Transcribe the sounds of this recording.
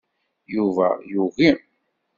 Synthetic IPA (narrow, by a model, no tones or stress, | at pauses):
juvæ̰juɣim